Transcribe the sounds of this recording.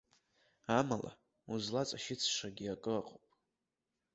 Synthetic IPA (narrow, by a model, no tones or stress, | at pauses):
amala̰ | uzlat͡sʼaʃɪt͡sʰʂaɡʲiakʼɨaqʼopʼ